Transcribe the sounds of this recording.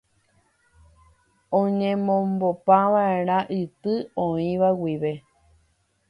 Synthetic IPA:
õɲẽmõmbopãʋae̞ɾ̃ãʔɨt̪ɨõĩʋawiʋe̞

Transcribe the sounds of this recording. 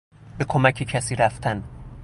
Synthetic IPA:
be̞kʰomæcʰecʰæsiːɾæft̪ʰæn

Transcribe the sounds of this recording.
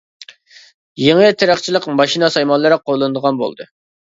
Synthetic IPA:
jeŋət̪ʰeɾæχt͡ʃʰilˠəqmɑʃinɑsɑjmɑnlˠɨɾɨqʰolˠːɨnɨd̪əʁɑnbo̰lˠd̪ɨ

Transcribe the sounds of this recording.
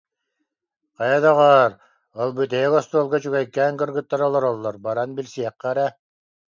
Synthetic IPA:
qajad̪aʁaːɾ | ɯlˠbɯt̪ɛɡɔst̪uːlˠɡɔt͡ɕuɡɛjkːɛːnkɯɾɡɯt̪ːaɾɔlˠɔɾɔlˠːɔɾbaɾanbilʲsiɛqːɛɾɛ

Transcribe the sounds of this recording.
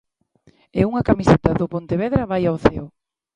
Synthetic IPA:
ɪuŋɐkamiset̪ɐðʊpont̪eβeðɾɐβajaoθeʊ

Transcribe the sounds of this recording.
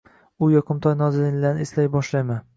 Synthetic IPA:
ʊjɒqʰɨmt̪ʰɒjnɒzɪlɪŋlaneslajbɒʃlajman

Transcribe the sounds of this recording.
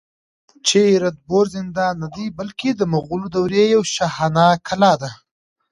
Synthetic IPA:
t͡ʃeɾat̪̚boɾzɪnd̪ɑnːad̪ijbəlked̪əmaɣulod̪awɾejawʃahanɑkʰalɑd̪a

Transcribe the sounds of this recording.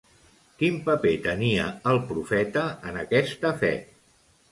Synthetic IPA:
kimpəpet̪əniəəlˠpɾufɛt̪əːnəkɛst̪əfɛ̰

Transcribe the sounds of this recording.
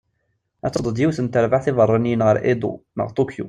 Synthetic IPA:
æt͡sːəd̪ˤəd̪jiwθənt̪əɾvaʕθɪvərˤːɑnijənʁəɾʔḛd̪ṵmə̰ʁt̪ˤukjṵ

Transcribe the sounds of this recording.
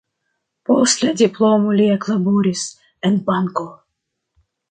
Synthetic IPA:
post̪lʲad̪ʲiplomolʲiaklˠabuɾʲis | ɛnbaŋko

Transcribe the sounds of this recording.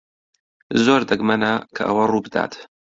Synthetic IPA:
zoːɾd̪ɨɡmɐnɐkʰɐ̰ʔɐ̰wɐruːbɨd̪a̰ːt̪

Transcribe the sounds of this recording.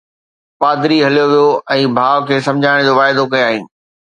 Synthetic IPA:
paːd̪ɾiɦɐlijoʋijoʔɛ̃ːbʱaːʋkʰeːsɐ̃md͡ʑʱaːɽ̃d͡ʑoʋaːɪd̪okɐjoaːɦḭ̃ːɪ̆

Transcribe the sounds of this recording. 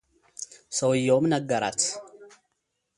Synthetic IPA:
səwjːowmnəɡːəɾat̪

